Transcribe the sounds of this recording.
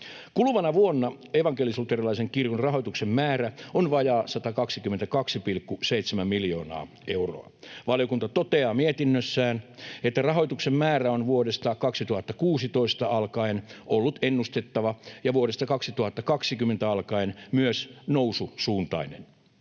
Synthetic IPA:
kulʋɑnɑʋuonːɑ | eʋɑŋkelislut̪erilɑiseŋkirkonrɑɦojt̪uksemmæːɾæonʋɑjɑːsɑt̪ɑkɑksikyment̪ækɑksipilkːuseit̪semæmmiljoːnɑ̰ː | euro̰ɑ̰ʋɑljokunt̪ɑt̪ot̪eɑːmiet̪inːøsːæːnet̪ːærɑɦo̞jt̪uksemmæːræonʋuodest̪ɑkɑksit̪uhɑt̪ːɑkuːsit̪o̞ist̪ɑɑlkɑenolːut̪enːust̪et̪ːɑʋɑjɑʋuoɾest̪ɑkɑksit̪uhɑt̪ːɑkɑksikymːent̪æɑlkɑenmyøsnoususuːnt̪ɑ̰inen

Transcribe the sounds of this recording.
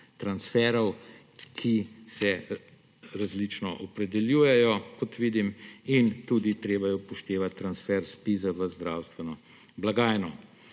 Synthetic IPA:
t̪ɾansfɛɾɔw | kʰisɛ | ɾazlit͡ʃnɔʔɔpɾɛd̪ɛljuːjɛjɔkɔt̪ʋiːd̪imint̪uːd̪it̪ɾeːbajɔpɔʃt̪eːʋat̪ːɾansfɛɾspizaʋəzd̪ɾawst̪ʋɛnɔ | blaɡaːjnɔ

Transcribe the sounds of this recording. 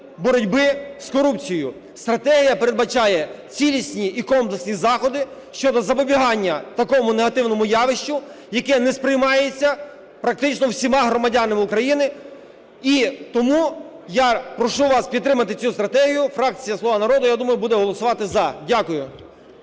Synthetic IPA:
bɔɾɔdʲbɪskɔɾupt͡sʲijʊ | st̪ɾɐt̪ɛɦʲijɐpeɾe̞d̪̚bɐt͡ʃɑjɛ | t͡sʲilʲisʲnʲiːkɔmplˠeksʲnʲizɑxɔd̪ɪʃt͡ʃɔd̪ɔzɐpɔbʲiɦɑnʲːɐt̪ɐkɔmʊneɦɐt̪ɪwnɔmʊjɑʋɪʃt͡ʃʊ | jɐkɛnɛspɾɪjmɑjet͡sʲːɐ | pɾɐk̚t̪ɪt͡ʃnɔwsʲimɑɦɾɔmɐdʲanɪmɪʊkɾɐjinɪ | it̪ɔmu | japɾɔʃuʋɑspʲid̪ːɾɪmɐt̪ɪt͡sʲust̪ɾɐt̪ɛɦʲijʊfɾɑk̚t͡sʲijɐsˠɔʋanɐɾɔd̪ʊjad̪umɐjʊbud̪ɛɦɔlˠɔsʊʋɑt̪ɪzɐdʲakʊjʊ

